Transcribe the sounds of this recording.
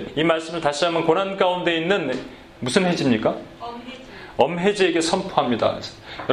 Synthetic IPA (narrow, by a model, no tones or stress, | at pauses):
imaɭs͈ɯmɯɭtaɕ͈iɦamjʌnkonɦank͈aunde̞inːɯn | musʰɯnhe̞d͡ʑimɲik͈a | ʌmɦe̞d͡ʑieɡe̞sʰʌmpʰoɦamɲida̰kesʰʌ̥j